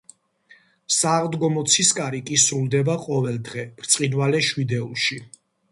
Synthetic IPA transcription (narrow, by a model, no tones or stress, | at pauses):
saʁd̪ɡɔmɔt̪sʰiskʼaɾikʼisɾulˠd̪ɛbaqʼɔvɛlˠd̪ʁɛb̥ɾt̪sʼqʼinvalɛʃwid̪ɛṵlˠʃi